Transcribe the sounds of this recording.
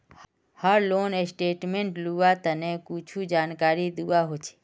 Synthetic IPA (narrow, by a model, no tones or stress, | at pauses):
həɾloːnesʈeːʈmẽɳʈluat̪ənekut͡ʃʰud͡ʒaːnkaːɾid̪uʋaɦot͡ʃʰe̥ː